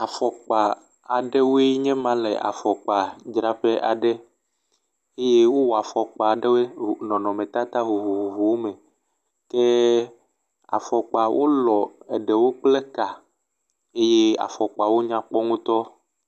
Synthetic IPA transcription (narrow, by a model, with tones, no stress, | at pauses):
a˨fɔ˨k͡pa˨ | a˨ɖe˦wo˦ɛ˦ɲɛ̃˦mã˦lḛ˨ʔa̰˨fɔ˨k͡pa˨d͡ʒɾa˦pɛ˦ʔa˨ɖɛ˦ | e˦je˦wo˦wɔ˨a˨fɔ˨k͡pa˨ɖe˦we˦˨nɔ̃˨nɔ̃˨mɛ̃˨t̪a˦t̪a˦ɦo˨ɦo˨ɦu˨vo˨wo˦mẽ˨ | ke˦ | a̰˨fɔ˨k͡pa˨wʔo̰˦lɔ˨e˨ɖɛ˨wo˦k͡ple˦ka˨ | e˦je˦a̰˨fɔ˨k͡pa˨wo˦ɲã˦k͡pɔ˦ŋũ˦t̪ɔ˦